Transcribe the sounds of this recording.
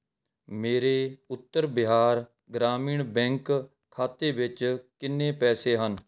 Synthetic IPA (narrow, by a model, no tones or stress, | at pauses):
meːɾeːʊt̪ːəɾbɪɦaːɾ | ɡɾaːmiːɳbɛ̃ŋk | kʰːaːt̪eːbɪt͡ʃkɪnːẽːpɛːseːɦən